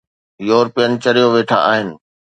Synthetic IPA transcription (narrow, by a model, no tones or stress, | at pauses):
joːɾpijənɪ̆t͡ɕɐɾijoʋeːʈʰa̰ʔaːɦɪnɪ̆